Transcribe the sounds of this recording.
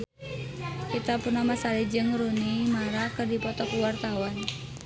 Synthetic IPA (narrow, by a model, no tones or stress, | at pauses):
kit̪apurnamasalid͡ʒɨŋɾunimaɾakɨrdipɔt̪ɔkuwart̪awan